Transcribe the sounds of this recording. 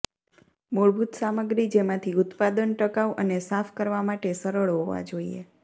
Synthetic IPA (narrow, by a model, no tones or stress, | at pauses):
moɭbʱut̪saməɡɾid͡ʒemãt̪ʰiʊt̪pad̪ənʈəkaʋʔənesafʰkəɾʋamaʈesəɾəɭɦoʋa̰d͡ʒoiḛ